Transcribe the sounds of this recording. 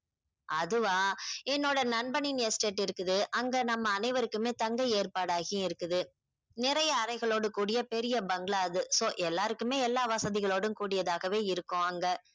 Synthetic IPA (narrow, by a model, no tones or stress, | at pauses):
ɐðɯʋaːɛnːoːɽɐnɐɳbɐninjɐsʈeːʈːɪɾɯkːɯðɯʔɐŋɡɐnɐmːɐːnɐɪʋɐɾɯkːɯmeːt̪ɐŋɡɐeːrpaːɽaːɣiɪɾɯkːɯðɯ | nɪɾɐjɐːɾɐɪɣɐɭoːɽɯkuːɽɪjɐpɛɾɪjɐbɐŋɡɭaːðɯsoːʔɛlːaːɾɯkːɯmeːɛlːaːʋɐsɐðɪɣɐɭoːɽɯmkuːɽɪjɐðaːɣɐʋeːɪɾɯkːʊ̃ɐŋɡɐ